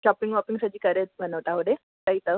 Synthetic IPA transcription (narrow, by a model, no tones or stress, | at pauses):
ɕɔpiŋɡʋɔpĩŋsad͡ʑiːkəɾet̪̚ʋənəʋʈ̪aʋəɽe | kaɦiːt̪ə